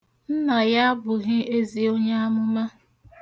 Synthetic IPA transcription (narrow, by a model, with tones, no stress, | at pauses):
n̩˦na˨ja˦a˦bʊ˨ɣɪ˦e˦zi˨o˦ɲa˦a˦mʊ˦ma˦